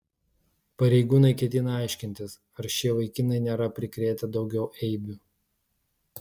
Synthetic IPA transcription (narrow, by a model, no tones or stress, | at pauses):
pɐɾʲɛɪɡuːnɐɪkʲɛt̪ʲɪnɐɐˑɪʃʲkʲɪnʲt̪ʲɪs | ɐɾʃʲiɛʋɐɪkʲɪnɐɪnʲeːɾɐpʲɾʲɪkɾʲeːt̪ʲɛd̪ɒʊɡʲɛʊʔɛɪbʲʊ